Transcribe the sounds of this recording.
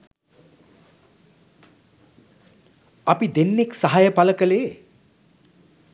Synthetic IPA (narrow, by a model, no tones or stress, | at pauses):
ɐpid̪enːeksaɦajəpaləkəleː